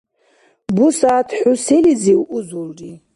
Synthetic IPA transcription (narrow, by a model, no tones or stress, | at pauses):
busaːtʰħʊseliziwʔuzulri